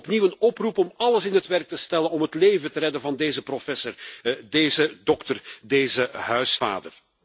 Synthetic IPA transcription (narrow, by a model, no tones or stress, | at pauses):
pniwənɔprupɔmɑləsɪnɦətʋɛrk̚təstɛlənɔmɦətleːvətəɾɛdənvɑndeːzəprofɛsərdeːzədɔktərdeːzəɦœɥsfa̰ːdər